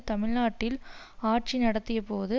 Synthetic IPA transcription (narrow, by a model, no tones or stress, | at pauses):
t̪ɐmɪɭnaːʈːɪlaːʈ̚t͡ʃinɐɽɐt̪ːɪjɐpoːðɯ